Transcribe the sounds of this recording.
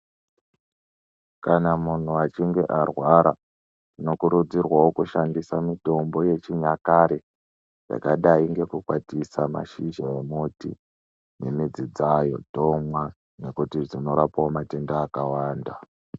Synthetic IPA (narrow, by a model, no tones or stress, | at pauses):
kanamun̤uat͡ʃiŋɡe̞ʔarwaɾa | ino̞kuɾud͡zirwawokuʃandisamito̞mbo̞je̞t͡ʃiɲakaɾe | ja̰kaɗaiŋɡe̞kukwatisama̰ʃiʒaemutḭ | nemid͡zid͡zajo̞̰to̞mwa | ne̞kutiʐino̞ɾapaomate̞ndaːkawaːnda